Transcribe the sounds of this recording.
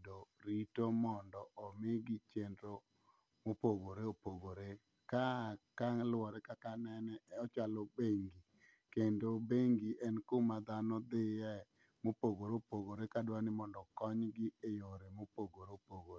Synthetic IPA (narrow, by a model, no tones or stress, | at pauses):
doɾitomɔndɔʔɔmɪɡɪt͡ʃendɾo | mopoɡoɾeopoɡoɾe | kakalwɔɾɛkakanɛnɛɔt͡ʃalɔbeŋɡi | kendobeŋɡiʔɛnkomad̪anɔd̪ɪjɛ | mopoɡoɾopoɡoɾekadwanɪmɔndɔkɔɲɡɪejoɾemopoɡoɾopoɡoɾ